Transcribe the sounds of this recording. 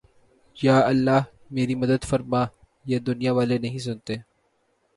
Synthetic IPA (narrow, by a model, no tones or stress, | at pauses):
jaːɐlːaːɦ | meːɾimɐd̪əd̪fɐɾmã | jeːd̪ʊnijaʋaːlenɐɦĩs̬ʊnt̪eː